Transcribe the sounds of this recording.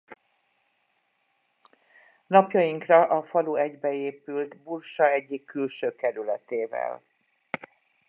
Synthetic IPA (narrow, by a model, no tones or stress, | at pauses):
nɒpjɒjiŋkrɒʔɒfɒluɛɟbɛeːpylt̪burʃɒɛɟːikːylʃøːkɛɾylɛt̪eːvɛ̰l